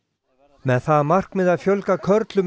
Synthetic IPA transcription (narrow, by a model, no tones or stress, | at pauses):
mɛðθaðmar̥kmɪðaðfjœlkakʰœɾt̪lʏm